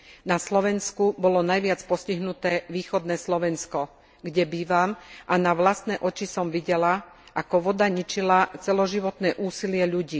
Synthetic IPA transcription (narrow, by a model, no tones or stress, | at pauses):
naslɔʋɛnskubɔlɔnajʋɪat͡spɔsciɦnut̪ɛːʋiːxɔd̪nɛːslɔʋɛnskɔ | ɡɟɛbiːʋamʔanaʋlast̪nɛːʔɔt͡ʃisɔmʋiɟɛla | ʔakɔʋɔd̪aɲit͡ʃilat͡sɛlɔʒiʋɔt̪nɛːʔuːsilɪɛʎuɟiː